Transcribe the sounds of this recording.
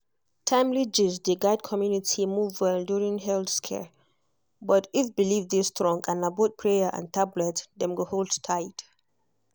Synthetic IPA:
tʰãɪ̃mlid͡ʒizd̪eɡaɪd̚kʰɔmjunitʰimuvənduɹĩŋɦɛldskʰɛ̰ɹ | bʌtɪfbilivdistɹɔ̃ŋɡãnabot̚pʰɹejəʔã̰ntʰablɛtdɛ̃mɡoholdtʰaɪd̥

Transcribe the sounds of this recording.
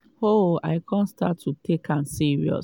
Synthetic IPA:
hoa̰ɪkʰãntsta̰tʰːutʰekʰãnsiɹiɔ̰s

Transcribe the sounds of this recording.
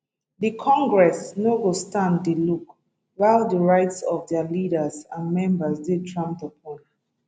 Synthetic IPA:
dikʰɔ̃ŋɡɹɛsnoɡostãndiluk | waɪlˠdəɹaɪtsɔvdɛəliɾəzãnmɛ̃mbəsdedɹãntəpʰɔ̃n

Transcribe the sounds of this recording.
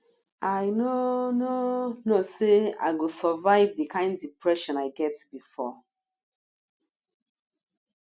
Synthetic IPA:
aɪnononosea̰ɪɡosɔvaɪvdikʰãɪ̃ndːipɹɛʃɔ̃naɪɡɛtbifɔ

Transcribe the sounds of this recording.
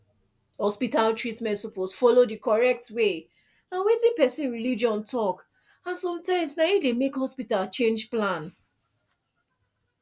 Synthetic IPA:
hɔspitaltɹitmɛ̃ntsɔposfɔlodikɔɹɛk̚twe | ãnwetĩŋpɛsĩnɹilid͡ʒɔ̃ntʰɔk | ãnsɔ̃mtãɪ̃msnaidemekhɔspitalt͡ʃẽnd͡ʒplãn

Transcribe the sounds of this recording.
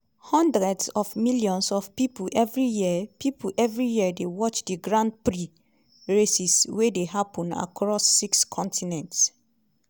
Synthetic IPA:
hɔ̃ndɹɛdsɔfmiljɔ̃nsɔfpipuʔɛvɹijipipuʔɛvɹijiədewɔt͡ʃdiɡɹãnd̚pɹi | ɹesiswedeɦapɔ̃na̰kʰɹɔsːikskʰɔ̃ntʰinɛ̃nts

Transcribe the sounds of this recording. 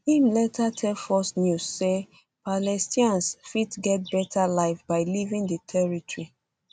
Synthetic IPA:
ĩmlɛtʰatʰɛlfɔstnjusːe | palɛstĩãnsfitɡɛt̚bɛtʰalaɪfbaɪlivĩŋdətʰɛɹitɹi

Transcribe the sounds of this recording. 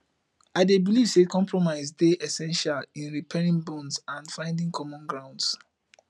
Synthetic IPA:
aɪdebiliv̥sekɔ̃mpʰɹɔmaɪzdeʔɛsɛ̃nʃalĩnɹipʰɛɹĩŋbɔ̃nsãnfãɪ̃ndĩŋkʰɔmɔ̃nɡɹãʊ̃nds

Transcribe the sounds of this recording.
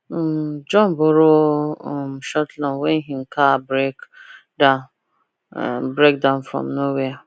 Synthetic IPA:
d͡ʒɔ̃nboɾo | mʃɔtlãnwɛnɦiŋ̩kʰabɾek | da | bɾek̚dãʊ̃nfɾɔ̰̃mnɔwea

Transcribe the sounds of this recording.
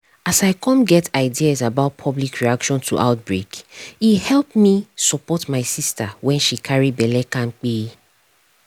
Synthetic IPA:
asaɪkʰɔ̃nɡɛtʰaɪdiazabaʊt̚pʰɔblikʰɹiakʃɔ̃ntʰṵʔa̰ʊt̚bɹekihɛlˠpmisɔpɔtmaɪsistawɛ̃nʃikʰaɹibɛlɛkãnk͡pi

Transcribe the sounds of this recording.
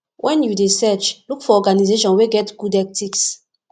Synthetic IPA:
wʔɛ̃njudesɛt͡ʃlukfɔɔɡanizeʃɔ̃nweɡɛtɡ̥udɛk̚tiks

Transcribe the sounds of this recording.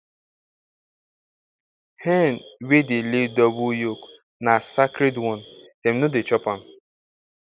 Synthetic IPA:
hɛnwedeledɔbujok | nasakɾedwɔn | em̩nodet͡ʃɔpam̩

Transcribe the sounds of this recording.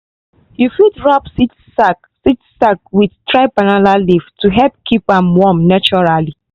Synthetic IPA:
jufitɹapsit | sak | sitsak̚widtɾaɪbanalaliftuɦɛp̚kipamwɔmnat͡ʃɔɹali

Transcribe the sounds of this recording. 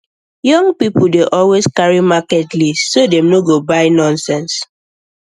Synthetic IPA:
jɔ̃ŋpipʊdeʔɔlweskaɹimakɛtliːodemnoɡobaɪnɔ̃nsɛ̃ns

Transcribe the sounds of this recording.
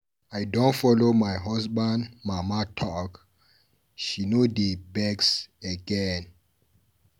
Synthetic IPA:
ajdɔ̃ntfɔlomajɦɔsbãndmamatʰɔk | ʃinodebɛksəɡɛ̃n

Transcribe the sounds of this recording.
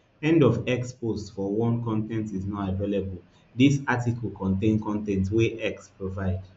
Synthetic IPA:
ɛ̃ndɔvɛkspostfɔwɔ̃nkɔ̃ntɛ̃ntiznɔavelebəl | disatiklkɔ̃ntẽnkɔ̃ntɛ̃ntweʔɛkspɹovaɪd

